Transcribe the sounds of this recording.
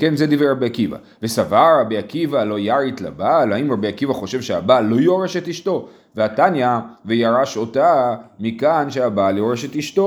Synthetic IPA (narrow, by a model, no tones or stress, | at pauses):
kenzed̪iveʁabiakiva̰ | vesavaʁabiakivalo̞jaʁit̪la̰balhaimʁabiakivaχo̞ʃe̞vʃeabalo̞joʁeʃetiʃto̞ | veatanjavejaʁaʃo̞tamikanʃeabaljoʁeʃe̞tiʃto̞